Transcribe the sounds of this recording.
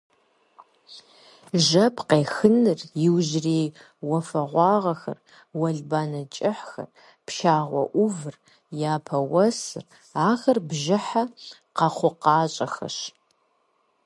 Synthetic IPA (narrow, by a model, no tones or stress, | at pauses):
ʒɐpʰqeːxɨnɨrjɪwʒreːj | wɐfɐʁʷɑːʁɐxɐ̰r | wɐɮbaːnɐt͡ʃʼɪħxɐ̰r | pʃaːʁʷɔ̰ʔʷʊvɨr | jaːpʰɐwɐsɨ̰r | aːxɐrbʒɪħa | qɐχʷʊqɑːɕʼɐxɐ̰ʃ